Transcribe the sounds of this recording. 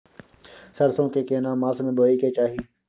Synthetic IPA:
səɾsõːkeːkeːnãːmaːsmẽːboːiːkeːt͡ʃaːɦiː

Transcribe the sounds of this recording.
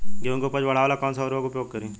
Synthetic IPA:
kõŋkepəd͡ʒbɐɽ̤aːʋaːlakɔːnsaɾoːkʊpjoːɡ̚kəɾũː

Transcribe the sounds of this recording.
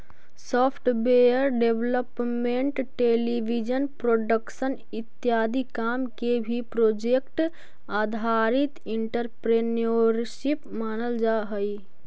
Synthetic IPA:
sɔːpʰʈbejəɾɖeʋləpmẽɳʈʈeːlibid͡ʒənpɾoːɖəkʃən | ɪt̪jaːd̪ikaːmkebʱipɾoːd͡ʒekʈ | aːd̪ʱaːɾɪt̪ɪ̃ɳʈəɾpɾeːnoɾʃipmaːnəld͡ʒaːɦəi

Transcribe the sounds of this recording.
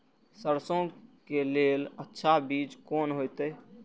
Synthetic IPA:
səɾsõkelelətːʃʰabid͡ʒkoːnɦojt̪ə

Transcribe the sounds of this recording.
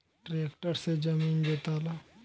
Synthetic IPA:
ʈɾekʈəɾsed͡ʒəmiːnd̪et̪ala

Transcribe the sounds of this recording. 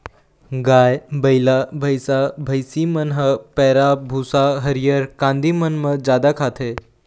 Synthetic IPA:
ɡaːjbəjlabʱəjsabʱəjsimənɦəpɛːɾabʱuːsaɦəɾijəɾkãːnd̪ʱimənməd͡ʒjaːd̪akʰaːt̪ʰe

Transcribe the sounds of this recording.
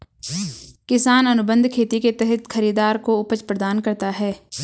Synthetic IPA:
kɪsaːnɐnʊbə̃nd̪ʱkʰeːt̪iket̪ɛɦɛt̪xʰɐɾiːd̪aːɾkoʊpət͡ʃpɾɐd̪aːnkɐɾt̪aɦɛː

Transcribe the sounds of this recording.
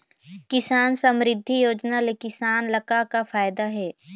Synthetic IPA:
kɪsaːnsə̃mɾɪd̪ʱːijoːd͡ʒnalekɪsaːnlɐkakafʰaːjd̪aɦɛː

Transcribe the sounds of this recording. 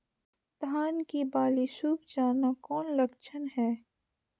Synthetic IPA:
t̪ɦaːnkibaːlisuːbd͡ʒaːnakɔːnlɐkt͡ʃʰənɦɛː

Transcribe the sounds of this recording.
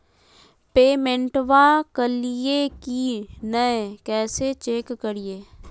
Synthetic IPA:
peːmẽɳʈʋakəlijekinəẽkɛːset͡ʃeːkːəɾieː

